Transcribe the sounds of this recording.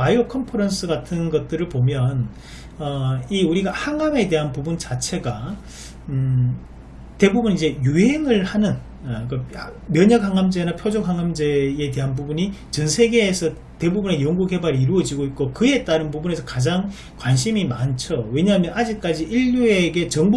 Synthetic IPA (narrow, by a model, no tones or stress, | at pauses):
paiɾokʰʌmpʰʌɾʌns͈ɯɡatʰɯnɡʌt̚t͈ɯɾɯɭpomjʌn | ʌiuɾiɡahaŋame̞de̞ɦanpubunt͡ɕat͡ɕʰe̞ɡa | te̞bubunid͡ʑe̞juɦe̞ŋɯɭhanɯn | komjʌɲak̚haŋamd͡ʑe̞napʰjod͡ʑok̚ɦaŋamd͡ʑe̞ete̞ɦanpubuɲit͡ɕʌnsʰe̞ɡe̞ːsʰʌ | te̞bubune̞jʌŋɡukhe̞baɾiiɾuʌd͡ʑiɡoit̚k͈okɯe̞t͈aɾɯnbubune̞sʰʌkad͡ʑaŋ | kwanɕʰimimant͡ɕʰowe̞ɲaɦamjʌnad͡ʑik̚k͈ad͡ʑiʔiʎːueɡe̞t͡ɕʌŋb